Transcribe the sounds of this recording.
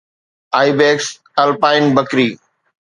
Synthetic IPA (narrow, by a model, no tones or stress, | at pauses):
aːibeːks | ɐlpaːɪnbəkɾiː